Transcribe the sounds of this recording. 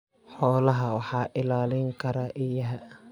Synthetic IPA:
ħɔːlɐɦɐwɑħɑːʔɪlaːlɪŋkʰɐɾaʔɪjɐɦɛ

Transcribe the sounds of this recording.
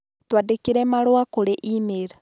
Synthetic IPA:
twadekiɾɛmaɾwakoɾeʔimeɾa

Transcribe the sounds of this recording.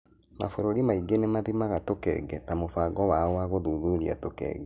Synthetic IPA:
ma̰foɾoɾimaiɡenemaðimaɣatokɛ̰ːɡɛnamofaɡɔwaɔwaɣoðuðuɾia̰tokɛ̰ːɡɛ

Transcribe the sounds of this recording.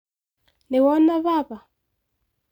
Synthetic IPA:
niwɔnaβapa

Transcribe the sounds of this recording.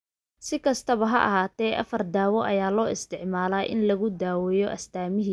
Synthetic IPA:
sɪkʰɐst̪ʰɐβɐɦɐ̰ʔɐ̰ɦaːt̪ʰɛːʔɐfɐrd̪aːwɔʔɐjaːlɔːɪst̪ʰɪʕmaːlaːʔɪ̰nlɐɣʊd̪aːwɛjɔʔɐst̪ʰaːmɪɦiː

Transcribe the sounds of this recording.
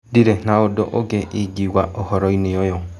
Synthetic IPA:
diɾenaodɔ̰ʔoɡeiɡiwaʔɔhɔɾɔineojɔ

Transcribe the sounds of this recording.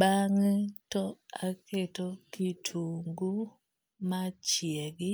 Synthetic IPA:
baŋɛtɔakʰetɔkitʰuŋɡu | mat͡ʃjɛɡɪ

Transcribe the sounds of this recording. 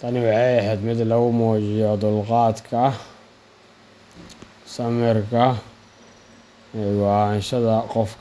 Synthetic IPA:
t̪ʰɐnɪwɑħɑjɛɦɛːd̪mɪd̪lɐɣʊmɔːt͡ʃɪjɔd̪ʊlqɑːd̪kʰɐ | sɐmɪrkʰɐ | ɛwɑnʃɐðɐqɔfkʰ

